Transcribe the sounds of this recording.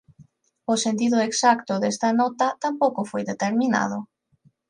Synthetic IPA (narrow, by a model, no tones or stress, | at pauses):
osent̪iðʊeksakt̪ʊðest̪anɔt̪at̪ampowkofojðet̪eɾmĩna̰ð̞ʊ